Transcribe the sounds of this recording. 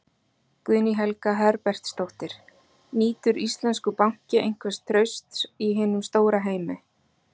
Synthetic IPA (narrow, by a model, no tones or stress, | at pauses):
kvʏðniɦɛlkaɦɛɾpɛr̥t̪st̪owht̪ɪɾ̥ | niːt̪ʏɾist̪lɛnskʏpawŋ̥cɪʔejŋ̥kʰvɛst̪ʰːɾœɥst̪siɦɪːnʏmst̪oːwɾaɦeːjmɪ